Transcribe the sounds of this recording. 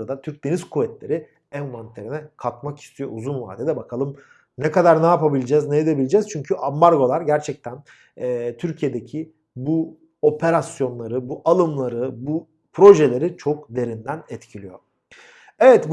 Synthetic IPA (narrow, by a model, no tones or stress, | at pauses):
ɾad̪at̪ʰyɾc̚d̪e̞niz̥kʰuvɛt̪lʲe̞ɾiɪ | ænvant̪ʰʲeɾinɛkʰat̪maki̥st̪ʰijo̞̰ʔuzunva̰ːd̪ed̪ɛbakʰalˠɯm | nɛkad̪aɾnajapabilʲd͡ʒɛznejed̪ebilʲed͡ʒɛz̥t͡ʃʰyɲcʰyʔambaɾɡo̞lˠaɾɟæɾt͡ʃʰɛc̚t̪ʰæn | ɛːt̪ʰyɾcʰije̞d̪e̞cʰi | bu | o̞pʰe̞ɾasjo̞nlˠaɾɯbuʔalˠɯmlˠaɾɯbu | pʰɾo̞ʒelʲe̞ɾit͡ʃʰo̞kd̪e̞ɾind̪ænɛt̪cʰilʲijo̞̰ | evɛt̪b